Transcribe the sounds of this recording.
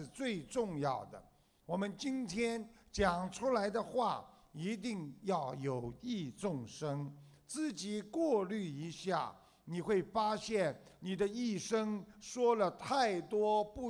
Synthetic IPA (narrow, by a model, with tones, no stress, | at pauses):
t͡swe˥˧ɪʈ͡ʂʊ˥˧ŋjɑ˥˩ʊd̪ə̰˩ | wɔ˨˩mə˦nt͡ɕi˥nt̪ʰjɛ˥nt͡ɕjɑ˨˩ŋʈ͡ʂʰu˥la˧˥ɪd̪ə˧xwa˥˩ | i˧˥t̪̬i˥˧ŋjɑ˥˩ʊjo˨˩ʊi˥˧t͡sʊ˥˩ŋʂɤ˥ŋt͡sɹ̩˥˩t͡ɕi˨˩˦kwɔ˥˧ly˥˩i˧˥ɕja̰˥˩ | ni˨˩xwe˥˩ɪfa˥ɕjɛ˥˩n | ni˨˩d̪ə˦i˥˩ʂɤ˥ŋʂwɔ˥lə˨t̪ʰa˥˩ɪt̪wɔ˥pu˥˧